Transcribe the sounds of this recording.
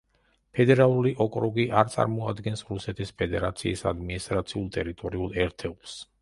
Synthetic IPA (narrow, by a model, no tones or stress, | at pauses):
pʰɛd̪ɛɾalˠuɾiʔɔkʼɾɔɡiʔaɾt̪sʼa̰ɾmɔad̪ɡɛnsɾusɛt̪ʰispʰɛd̪ɛɾat̪sʰiːsa̰d̪minist̪ʼɾat̪sʰiulˠt̪ʼɛɾit̪ʼɔɾiulˠɛɾt̪ʰɛulˠs